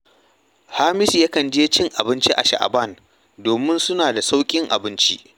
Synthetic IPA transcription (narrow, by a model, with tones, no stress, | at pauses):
haː˦mɪ˦si˨ja˦kɐ˨nd͡ʒeː˦t͡ʃɪ˦ŋʔa˨bɪ˦nt͡ʃi˦ʔa̰˨ʃa̰˨ʔa̰˨bɐ˦˨n | doː˨mɪ˦nsʊ˦naː˨da˨sa˦wkʲʼɪ˦ŋʔa̰˨bɪ˦nt͡ʃi˦ʔ